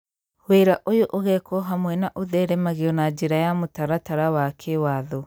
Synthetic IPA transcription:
weɾaʔojoʔoɣɛkɔɦamwɛnaʔoðɛɾɛmaɣiɔnad͡ʒeɾajamotaɾataɾawakʰewaðɔ

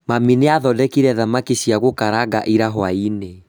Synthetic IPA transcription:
mamineaðɔdɛkiɾɛðamakiɕiaɣokaɾaɡa̰ʔiɾaɦwaine

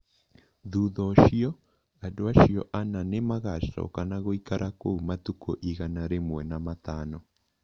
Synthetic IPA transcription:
ðuðɔʃiɔ | adoaʃjɔʔananemaɣaʃɔ̰kanaɣoikaɾʔakoumat̪ukoʔiɣanaɾemwɛnamat̪anɔ

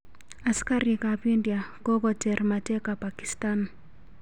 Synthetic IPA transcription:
askaɾikapindjakɔkɔtɛrmatɛkapakistan

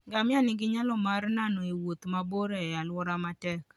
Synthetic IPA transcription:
ɡamɪanɪɡɪɲalɔmarnanɔewot̪maboɾealwɔɾamatɛk

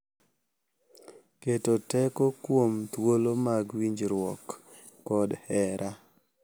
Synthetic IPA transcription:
ketotɛkɔkwomt̪wolomaɡwiɲd͡ʒɾwɔkː | ɔdhɛɾʔa

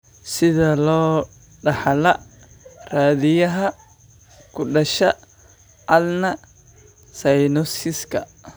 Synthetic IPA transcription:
sɪðɐlɔː | ɖɑħlɐ | raːðɪjɐɦɐ | kʰʊɖɐʃɐ | ɐlnɐ | sɐjnɔsɪskʰɐ̰

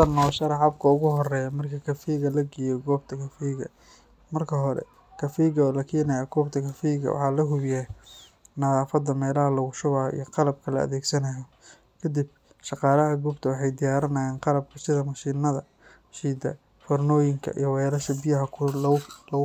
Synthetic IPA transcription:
ɐnɔːʃɐɾɐʕɑb̚kʰɐʊɣʊɦɔrɛːjɐmɐrkʰɐkʰɐfɛjɣɐlɐɡɛːjɔɡɔːb̚t̪ʰɐkʰɐfɛjɣɐ̰ | mɐrkʰɐɦɔɾɛ̰ | kʰɐfɛjɣɐːlɐkʰɛːnɐjɐɡɔːbt̪ʰɐkʰɐfɛjɣɐ̰wɑ̰ħɑːlɐɦʊβjɛː | nɐðaːfɐd̪ɐmɛːlɐɦɐlɐɣʊʃʊβaːḭjɔqɑlɐb̚kʰɐlɐ̰ɐ̰ðɛːɡsɐnɐjɔ | kʰɐd̪ib̚ | ʃɑqɑːlɐɦɐɡuːbt̪ʰɐwɑħɑjd̪ɪjaːɾɪnɐjaːnqɑlɐb̚kʰʊsɪðɐmɐʃiːnɐðɐ | ʃiːd̪ɐ̰ | fɔrnɔːjɪŋkʰɐ̰ʔḭjɞwɛːɾɐʃɐbɪjɐɦɐ | lɐ

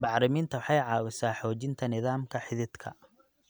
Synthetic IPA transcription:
bɑħɾɪmiːnt̪ʰɐwɑħɑjʕɑːwɪsaːħɔːt͡ʃɪnt̪ʰɐnɪðaːmkʰɐħɪðɪd̪kʰɐ̰

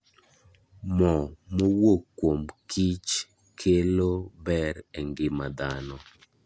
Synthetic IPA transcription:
mɔmowokːwomkʰit͡ʃ | kʰelobɛɾeŋɡɪmad̪anɔ

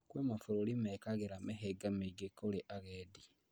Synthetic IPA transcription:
kwemafuɾolimekaɣeɾameɦeɡameɡekoleʔaɣedi

